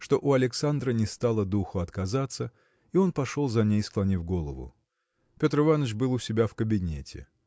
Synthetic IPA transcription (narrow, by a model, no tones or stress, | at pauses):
ʂt̪o̞ʔʊɐlʲɪksand̪ɾənʲɪst̪alˠəd̪uxʊɐt̪kɐzat̪sə | io̞npɐʂo̞lˠzɐnʲejsklˠɐnʲivɡo̞lˠə̰vʊ̰ | pʲo̞t̪ɾɨvanət͡ʃbɨlˠʊsʲɪbʲafkəbʲɪnʲetʲɪ̰